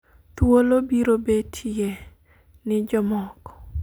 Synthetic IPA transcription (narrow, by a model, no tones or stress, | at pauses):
t̪wolobiɾobetʰie | nɪd͡ʒɔmɔkɔ̥